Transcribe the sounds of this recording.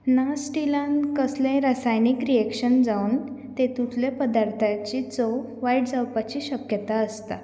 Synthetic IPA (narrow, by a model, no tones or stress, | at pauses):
nasʈilãnkəslẽɾasajnikɾiekɕənd͡zaunt̪et̪ut̪ʰlepəd̪aɾt̪ʰat͡ɕit͡sɔ | ʋaiʈd͡zawpat͡ɕiːɕəkjət̪aəst̪a̰